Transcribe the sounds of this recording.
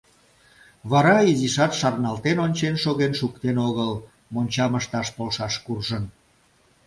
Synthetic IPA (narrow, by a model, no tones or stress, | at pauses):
βɑɾɑiziʃɑt̪ʃɑrnɑlt̪enonʲt͡ɕenʃoɣenʃukt̪enoɣəl | monʲt͡ɕɑməʃt̪ɑʃpolʃɑʃkurʒən